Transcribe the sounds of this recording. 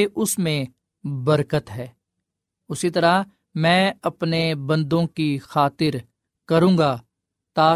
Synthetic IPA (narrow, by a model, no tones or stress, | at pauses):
ʔʊsmẽ | bəɾkət̪ɦɛː | ʊsit̪ɐɾa | mɛ̃ːɐpnebɐ̃nd̪õkixaːt̪ɪɾ | kɐɾũːɡaː | t̪aː